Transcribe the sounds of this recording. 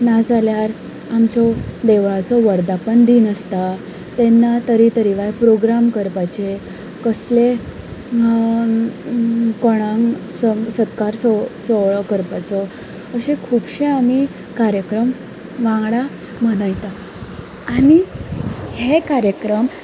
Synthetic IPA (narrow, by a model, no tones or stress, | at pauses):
nad͡zaljaɾ | amt͡sɔd̪eʋɭat͡sɔʋəɾd̪apəɳd̪iːnəst̪a | t̪enːat̪əɾit̪əɾiʋajpɾoɡɾamkəɾpat͡ɕe | kəsle | koɽ̃ãŋssət̪kaɾsɔsɔɭkəɾpat͡sɔ | əɕekʰubɕeami | kaɾjəkɾəm | ʋãŋɡɽa | m̤əñajt̪aː | ɽi | hekaɾjəkɾəm